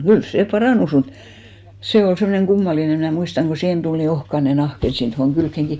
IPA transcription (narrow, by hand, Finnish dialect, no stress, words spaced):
kyl seˑ pɑrɑˑnus mut se ol semːŏneŋ ɡ̊umːɑline mnæˑ muistɑŋ ɡ̊o siːhen tul ni ohkɑne nɑhk et sit tohoŋ kylkːeŋki